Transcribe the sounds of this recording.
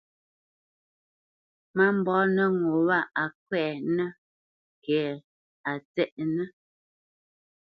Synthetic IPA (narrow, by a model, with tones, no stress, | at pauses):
ma˦m˨bɔ˨˦nə˦ŋo˨wa˦a˨k̚wɛː˦˨nə˦ | kɛ˨˦ | a˨t͡sɛ˦ʔnə˦